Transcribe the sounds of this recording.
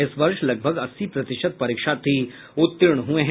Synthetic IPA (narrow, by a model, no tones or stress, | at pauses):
ɪsʋɐɾʃlɐɡ̚bʱəɡɐsːipɾɐt̪ɪʃət̪̚pɐɾiːkʃaːt̪ːi | ʊt̪ːɪɾɳ̃ɦueɦ